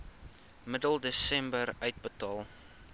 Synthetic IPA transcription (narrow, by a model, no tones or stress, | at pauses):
mədəlˠdəsɛmbəɾœɥt̚bətɑːlˠ